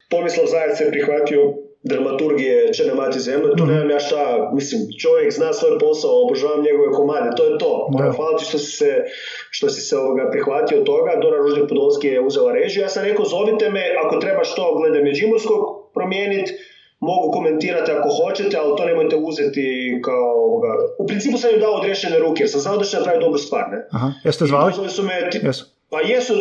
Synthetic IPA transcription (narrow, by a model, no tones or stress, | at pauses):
po̞mislˠozajessepɾixʋat̪io | d̪ɾamat̪uɾɡijet͡ʃenemat̪izemʎut̪onezamjaːʃt̪amislimt͡ʃo̞ʋjekznaːsʋojpo̞saoːbɾoʒaːʋamɲeɡoʋekomaːd̪et̪o̞jet̪o̞ːoaxʋaːlˠat̪i̥ʃt̪osi̥sɛ | ʃt̪osi̥seo̞ʋoɡapɾixʋat̪iot̪o̞ɡad̪onaɾoʒd̪ik̚pud̪onskijeuzelaɾeːʒjujaːsamɾekozo̞ʋit̪emeʔako̞t̪ɾe̞baʃt̪o̞ɡle̞d̪emed͡ʒimoskokpɾo̞mjeːnit̪ | mo̞ɡuko̞ment̪iːɾat̪iako̞xo̞t͡ʃet̪ealt̪o̞ne̞mo̞jt̪euzet̪ikaooʋoɡaupɾiniːpusamjud̪aood̪ɾeʃeneɾuːkejeɾsamsaod̪əɾʃenapɾaʋijd̪obɾost̪ʋa̰ːɾneɦst̪alzolˠisumet̪ | ajesu